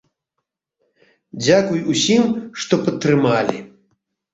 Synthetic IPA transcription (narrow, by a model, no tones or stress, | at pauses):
d͡zʲakujusʲimʂt̪ɔpɐt̪ːɾɨmalʲḭ